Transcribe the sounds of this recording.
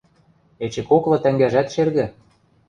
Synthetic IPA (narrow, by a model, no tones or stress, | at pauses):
et͡ɕɘ̆koklɤ̆t̪æŋɡæʒæt̪ʃerɣɘ̆